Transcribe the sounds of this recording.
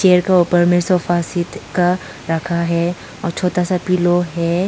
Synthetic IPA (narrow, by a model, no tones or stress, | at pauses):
ʃeːəɾkeuːpəɾmesoːfaːsɪt̪ka | ɾɐkʰaɦɛ | ɔːɾt͡ʃʰoːt̪asapiːloɦɛː